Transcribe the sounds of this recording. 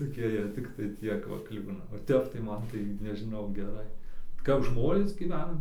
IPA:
toːˈkʲiɛ jiɛ tʲɪkˈtɐɪ ˈtʲiɛk ʋɐ ˈklʲɪbʲɪnɐ oː ˈtʲɛp tɐɪ ˈmɐn tɐɪ nʲɛʒʲɪˈnɐʊ ɡʲɛˈrɐɪ kɐp ˈʒmoːnʲeːs ɡʲiːˈʋʲɛn

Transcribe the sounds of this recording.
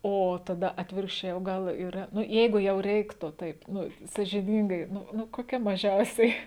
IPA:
ˈoː ˈtɑːdɐ ˈɑːtʲʋʲɪrkʃʲt͡ʃʲɛɪ oː ˈɡɐlˠ iːˈrɐ ˈnʊ ˈjɛɪɡʊ jɛʊ ˈrʲɛɪktʊ ˈtɐɪp ˈnʊ sɐʒʲɪˈnʲiːŋɡɐɪ ˈnʊ ˈnʊ koːˈkʲɛ mɐˈʒʲɛʊsʲɛɪ

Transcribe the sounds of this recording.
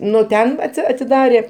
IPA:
ˈnʊ ˈtʲɛn ˈɑːtʲsʲɪ ɐtʲɪˈdɑːrʲeː

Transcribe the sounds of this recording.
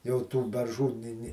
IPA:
jɛʊ tuː bʲɛrˈʒuː ˈnʲɪ ˈnʲɪ

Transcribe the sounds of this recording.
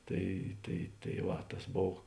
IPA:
ˈtɐɪ tɐɪ tɐɪ ˈʋɐ tɐs ˈboːw

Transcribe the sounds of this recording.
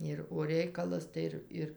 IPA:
ɪr oː ˈrʲɛɪkɐlˠɐs tɐɪ ˈɪr ˈɪr

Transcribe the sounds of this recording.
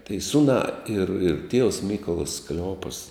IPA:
tɐɪ ˈsʊnɑː ɪr ɪr tʲiɛws ˈmʲiːkoːlˠɐs klʲɛˈoːpɐs

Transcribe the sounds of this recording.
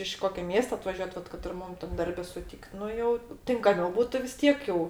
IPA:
ɪʃ ˈkoːkʲoː ˈmʲiɛstoː ɐtʋɐˈʒʲuɔt ˈʋɐt kɐt ɪr ˈmʊm tɐm ˈdɐrʲbʲɛ sʊˈtʲiːkt ˈnʊ jɛʊ tʲɪŋkɐˈmʲɛʊ ˈbuːtʊ ʋʲɪs ˈtʲiɛk jɛʊ

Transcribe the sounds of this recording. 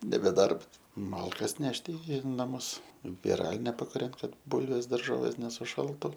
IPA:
nʲɛbʲɛ ˈdɐrps ˈmɐlˠkɐs ˈnʲæːʃʲtʲɪ ɪ nɐˈmʊs ʋʲɪˈrɑːlʲɪnʲɛ pɐkʊˈrʲɛnt ˈkɐt ˈbʊlʲʋʲeːs dɐrˈʒoːʋʲeːs nʲɛsʊˈʃɐlˠtʊ

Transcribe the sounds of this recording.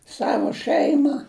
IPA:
ˈsɑːʋoː ˈʃɜɪmɐ

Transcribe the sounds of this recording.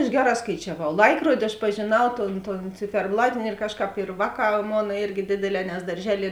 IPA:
ɐʃ ˈɡʲæːˌrɑː skɐɪt͡ʃʲɛˈʋɐʊ ˈlˠɐɪkruɔdʲɪ ɐʃ pɐʒʲeːˈnɐʊ ˈtoːn ˈtoːn t͡sʲɪfʲɛrˈblˠɑːtʲɪnʲɪ ɪr ˈkɑːʃˌkɑːp ɪr ˈʋɑːˌkɑː ˈmoːnɐ ˈɪrʲɡʲɪ ˈdʲeːdʲeːˌlʲɛː nʲɛs dɐrʲˈʒʲæːlʲiɛ

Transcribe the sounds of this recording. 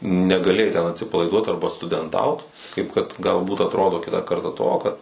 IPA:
nʲɛɡɐˈlʲeːjɛɪ tʲɛn ɐtʲsʲɪpɐlˠɐɪˈduɔt ˈɐrbɐ stʊdʲɛnˈtɐʊt kɐɪp kɐt ɡɐlˠˈbuːt ɐtˈroːdoː ˈkʲɪtɑː ˈkɐrtɑː ˈtoː kɐt

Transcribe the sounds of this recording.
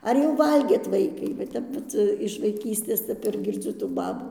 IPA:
ˈɐr jɛʊ ˈʋɐlʲɡʲeːt ˈʋɐɪkɐɪ ʋɐ ˈtʲɛp ˈʋɐt ɪʃ ʋɐɪˈkʲiːsʲtʲeːs ˈtʲɛp ɪr ɡʲɪrʲˈd͡zʲʊ tuː ˈbɑːbuː

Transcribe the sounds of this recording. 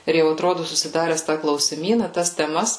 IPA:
ɪr jɛʊ ɐtˈroːdʊ sʊsʲɪˈdɑːrʲɛs tɑː klˠɐʊsʲɪˈmʲiːnɐ tɐs tʲɛˈmɐs

